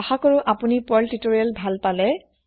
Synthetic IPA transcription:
ɔxakoɹʊʔapunipɔltitoɹialbʱalpalɛ

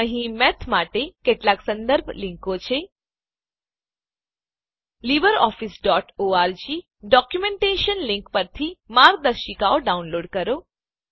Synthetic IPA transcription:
əɦĩmɛt̪ʰmaʈekeʈlaksə̃nd̪əɾbʱliŋkot͡ʃʰe | libəɾɔ̰fisɖɔʈoaɾd͡ʒi | ɖɔkjumẽɳʈeʃənlĩŋkpəɾt̪ʰimaɾ̚d̪əɾʃikaoɖaunloɖkəɾo

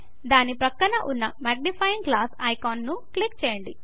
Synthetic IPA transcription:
d̪aːnipɾɐkːɐnɐʔunːɐmaːɡ̚nipʰɐjiŋɡɡlaːsɐjkaːnːuklikt͡ʃɛːjɐɳɖi

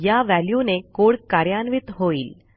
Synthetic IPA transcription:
jaʋæljunekoɽkaɾjanʋit̪ɦoiːl

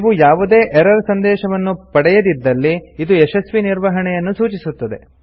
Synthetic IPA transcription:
ʋujaːʋud̪eːʔɛɾɐɾsɐnd̪ɛːʃɐʋɐnːupɐɽɛjɐd̪id̪ːɐlːiːd̪ueʃɐsʋiniɾʋɐɦɐɳɛjɐnːusuːt͡ʃisut̪ːɐd̪e̞̰

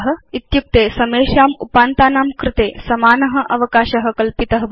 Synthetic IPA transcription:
ɦɐ̆it̪juk̚t̪eːsɐmeːʃaːmupaːnt̪aːnaːmkɾɪt̪eːsɐmaːnɐɦɐ̆ʔɐʋɐkaːʃɐɦɐ̆kɐlpit̪ɐɦɐ

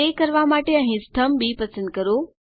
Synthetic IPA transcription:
ekɐɾʋamaːʈeɐ̃ɦĩst̪ʰəmbipɐsə̃nd̪̚kɐɾoː

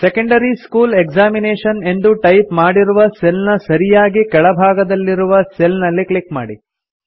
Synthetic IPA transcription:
sekɐɳɖɐɾiskuːlekd͡ʒaːmineːʂɐne̞nd̪uʈɐjpmaːɽiɾuʋɐselnɐsɐɾijaːɡikɛɭɐbʱaːɡɐd̪ɐlːiɾuʋɐselnɐlːikɭikma̰ːɽi

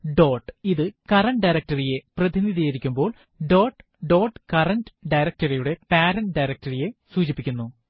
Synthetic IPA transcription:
ɖo̞ːʈːiðɨkɐrɐɳʈɖɐjɾɐk̚tɐrije̞prɐðiniðʱijɐiɾikʲːumbo̞ːɭ | ɖo̞ːʈ | ɖo̞ːʈkɐrɐɳɖɨ̥ɖɐjɾɐk̚tɐrijuɽe̞paːɾɐnɖɐjɾɐk̚tɐrije̞suːt͡ɕipːikʲːunːu

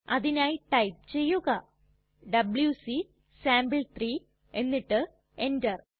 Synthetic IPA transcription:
ɐðinaːjiʈɐjp̚t͡ɕe̞jːuɣɐ | ɖɐbɭjusi | saːmbɨɭt̪riː | e̞nːiʈːɨ | e̞ndɐr

